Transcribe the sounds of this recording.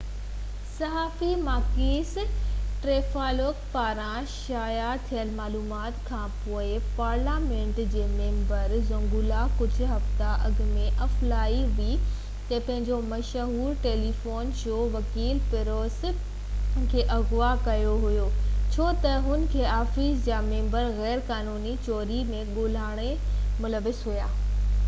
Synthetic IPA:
sɐɦaːfimaːkiːsʈɾeːfaːloːkpaːɾã | ʃaːjat̪ʰijəlmaːluːmaːt̪kʰãːpoːɪpaːɾlaːmẽɳʈd͡ʑeːmẽːmbəɾzɐ̃ŋɡuːlakʊd͡ʑʱʊ̆ɦɐft̪aʔɐɡ̆mẽʔɐflaːiʋi | t̪ɐpɐ̃ɦɪ̃ɲd͡ʑomɐʃɦuːɾʈeːlifoːnʃoːʋɐkiːlpɪɾoːs | kʰeːʔɐɣʊʋakɐjoɦʊjoːt͡ɕʰoːt̪ɐɦʊn̆kʰeːaːfiːsd͡ʑaːmẽːmbəɾɣɛːɾkaːnuːnit͡ɕoːɾimẽɠoːl̤aːɽ̃e | mʊləʋɪsɦʊjaː

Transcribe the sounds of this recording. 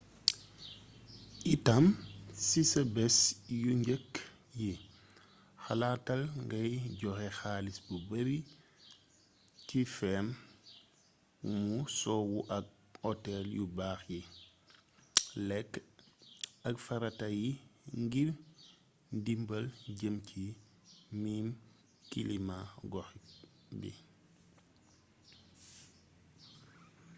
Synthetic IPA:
ʔitɐmsisɐbɛsjuɲɟəkː | ji | xɐlaːtɐlŋɡɐjɟɔxɛxaːlisbubɐɾi | tifɛm | musɔːwuʔɐk̚ | ɔtɛljubaːxji | lɛkː | ɐkfɐɾɐtɐjiŋɡir | dimbəlɟəmcʰi | miːm | kilimaɡɔxik | bḭ

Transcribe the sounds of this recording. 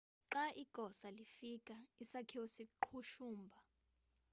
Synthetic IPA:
ǁaʔiɡ̥ʱɔsalifikʼaisakʰiwosiǃʰuʃuːmbʱa

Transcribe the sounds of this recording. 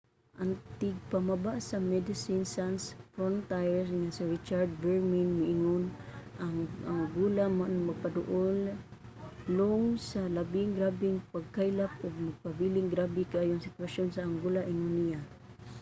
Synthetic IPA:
ʔant̪ɪɡ̚pamabaʔsamɛd̪ɪsinsansfɾont̪ajsŋasiɾit͡ʃaɾd̪̚bɛɹminŋɪʔiŋʊnʔaaŋɡulamanmaɡ̚pad̪ʊʔʊlː | oŋsalabiŋɡɾabiŋpaɡ̚kajlap̚ʊɡ̚maɡ̚pabilɪŋɡɾabikaʔajʊŋsɪt̪uwaʃjonsaːŋɡulaʔɪŋʊnija

